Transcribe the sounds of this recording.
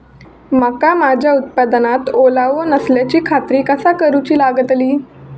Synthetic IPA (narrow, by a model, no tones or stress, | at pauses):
məkamad͡ʑʱjaut̪̚pad̪nat̪olaʋənəsljat͡ɕiːkʰat̪ɾiːkəsakəɾut͡ɕiːlaɡət̪liː